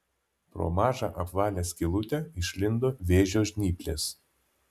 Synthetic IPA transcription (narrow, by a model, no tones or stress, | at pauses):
pɾo̰ːmɑːʒɑʔɐpʋɑːlʲæːsʲkʲɪlˠʊt̪ʲɛɪʃʲlʲɪnd̪oːʋʲeːʒʲoːʒʲnʲiːpʲlʲḛːs